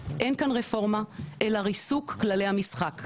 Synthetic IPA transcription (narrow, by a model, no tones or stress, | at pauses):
ʔe̞nkanʁefo̞ʁmaʔelaʁisukːlalejhamisχak